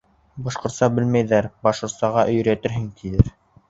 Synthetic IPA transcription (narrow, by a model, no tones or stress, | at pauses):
bɑʃqŏɾt̪sɑbɘlmæjðæɾbɑʃqŏɾt̪sɑʁɑʔɵ̆jɵ̆ɾæt̪ɘ̆ɾɦɘŋkijɘɾ